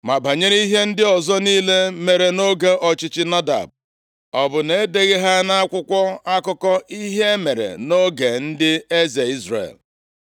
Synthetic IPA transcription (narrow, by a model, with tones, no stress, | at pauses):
ma˨ba˨ɲe˦ɾi˦ɦe˦n̩˦dɪ˦ɔ˨zɔ˦niː˦le˦me˨ɾe˨no˦ɡe˦ʔɔ˨t͡ʃɪ˦t͡ʃɪ˦na˦da̰˨b̚ | ɔ˨bʊ˨ne˨˦de˨ɣe˦ɦa˦na˦a˦kʷʊ˦kʷɔ˦a˦kʊ˦kɔ˦ʔi˦ɦe˦me˨ɾḛ˨no˦ɡe˨n̩˦dɪ˦e˦ze˨i˦zrḛ˨l